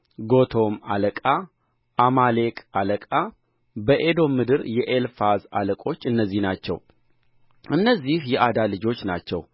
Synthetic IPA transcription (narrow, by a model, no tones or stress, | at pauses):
ɡo̞t̪ʰo̞ma̰ləkʼa | ʔamale̞kʼaləkʼa | bəʔed̪o̞mːɨd̪ɨɾjɛʔelfaza̰ləkʼo̞t͡ʃːɨnːəzːihnat͡ʃːɛ̰w | ʔɨnːəzːihjɛʔad̪alɨd͡ʒo̞t͡ʃːna̰t͡ʃːɛw